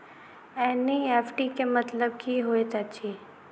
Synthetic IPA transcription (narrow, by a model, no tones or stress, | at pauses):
ɛnieːpʈikemət̪ləb̚kʰiɦoet̪ət͡ʃʰi